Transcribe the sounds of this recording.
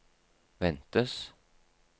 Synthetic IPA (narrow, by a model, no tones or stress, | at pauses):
ʋɛnt̪əs